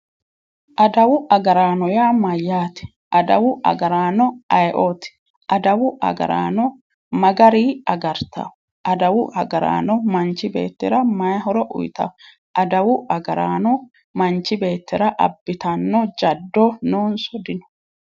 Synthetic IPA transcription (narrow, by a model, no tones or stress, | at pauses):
ʔɐd̪ɐwʊʔɐɡɐɾaːnɔjaːmɐjːaːt̪ɪ̥ | ʔɐd̪ɐwʊʔɐ̰ɡɐɾaːnɔʔɐjʔoːt̪ɪ̥ | ʔɐd̪ɐwʊʔɐ̰ɡɐ̰ɾa̰ːnɔ | mɐɡɐɾiːɐɡɐɾt̪ɐ̰ | ʔɐd̪ɐwʊʔɐɡɐɾa̰ːnɔmɐnt͡ʃːɪbe̞̰ːt̪ːɪɾɐmɐjɦɔɾɔʔʊ̰jt̪ɐ̰ | ʔɐd̪ɐwʊʔɐɡɐɾaːnɔ | mɐnt͡ʃːɪbe̞ːt̪ːɪɾɐʔɐ̰bːɪt̪ɐnːɔd͡ʒɐd̪ːɔnoːnsɔd̪ɪnɔ̥